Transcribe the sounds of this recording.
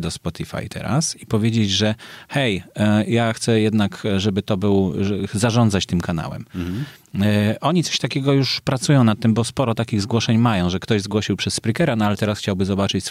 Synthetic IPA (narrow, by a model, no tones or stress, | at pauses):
d̪ɔspɔt̪ʲifa̰jt̪ʰɛ̰ɾa̰sipɔvʲjed͡ʑed͡ʑʐɛxɛjjaxt̪sɛjɛd̪nakʐɛbɘt̪ɔbɘwʐɛzaʐɔ̃nd̪zat͡ɕt̪ɘmkana̰wɛ̰m | ʔɔɲit̪sɔ̥ɕt̪akʲɛɡɔjuʂpɾat̪sujɔ̃w̃nat̪ːɘmbɔspɔɾɔt̪akʲiɣzɡwɔʂɛɲmajɔ̃w̃ʐɛkt̪ɔʑzɡwɔɕiwpʂɛsːpɾikɛɾanɔalɛt̪ɛɾasxt͡ɕawbɘzɔbat͡ʂɘt͡ɕs